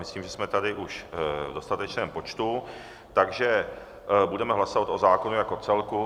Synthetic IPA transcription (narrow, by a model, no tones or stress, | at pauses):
mɪsliːmʒɛsmɛt̪adɪʔuʃvdo̞st̪at̪ɛt͡ʃnɛːmpo̞t͡ʃt̪u | t̪aɡʒɛ | budɛmɛɦlasovat̪ʔo̞zaːko̞nujakot͡sɛlku